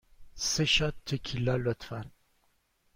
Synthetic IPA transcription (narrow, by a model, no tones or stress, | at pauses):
seʃat̪ʰːekʰilalɔt̪ʰfan